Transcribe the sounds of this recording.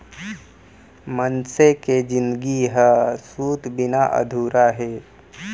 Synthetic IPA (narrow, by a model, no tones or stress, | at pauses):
mənseked͡ʒɪnd̪ɡiɦəsuːt̪bɪnaʔə̰d̪ʱuːɾaɦeː